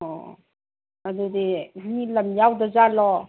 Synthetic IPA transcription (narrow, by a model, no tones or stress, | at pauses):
ɔ | ad̪ud̪inilamjawd̪azalɔ